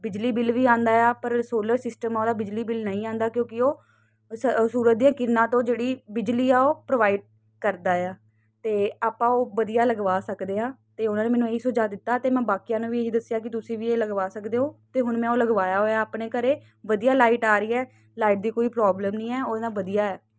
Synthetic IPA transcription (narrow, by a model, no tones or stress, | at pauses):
bɪd͡ʒliːbɪlʋiːãːnd̪aːjaːpəɾsoːləɾsɪsʈəmːoːd̪aːbɪd͡ʒliːbɪlnəĩːãːnd̪aːkjõːkɪoː | ssuːɾət̪̚d̪ijãːkɪɾnãːt̪õːd͡ʒeːɽiːbɪd͡ʒliːɛːoːpɾoːʋaːɪɖ̚ | kəɾd̪aːɛaː | t̪eːaːpãːoːʋəd̪ijaːləɡʋaːsəkd̪eːɦãːt̪eːʊnãːnẽːmɛːnũːeːiːsʊd͡ʒaːd̪ɪt̪ːaːt̪eːmɛ̃ːbaːkijãːnũːʋiːeːɦiːd̪əsːjaːkɪt̪ʊsĩːʋiːeːləɡʋaːsəkd̪eːɦoːt̪eːɦʊnmɛ̃ːoːləɡʋaːjaːɦoːjaːəːpɳeːkəɾeː | ʋəd̪ijaːlaːiʈaːɾəiːɛː | laːiʈ̚d̪iːkoːiːpɾɔːbləmnĩːɛːoːd̪ãːʋəd̪ijaːɛː